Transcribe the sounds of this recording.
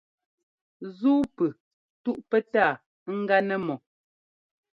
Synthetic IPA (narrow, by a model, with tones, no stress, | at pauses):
zuː˦pʉ˨ | tu˦ʔpɛ˦taː˦˨˦ | ŋ̩˦ɡa˦nɛ˦mɔ˨